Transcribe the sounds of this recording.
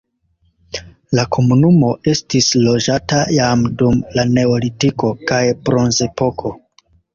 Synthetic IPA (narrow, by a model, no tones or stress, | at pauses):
lakʰo̞munumo̞ʔe̞stislo̞d͡ʒatajamdumlane̞olitiko̞kajpɾo̞nze̞po̞kʰo̞